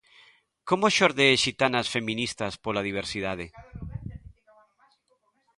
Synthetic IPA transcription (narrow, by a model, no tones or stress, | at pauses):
komoʃoɾðeʃit̪anasfe̞mĩnist̪aspolaðiβ̞eɾsið̞að̞e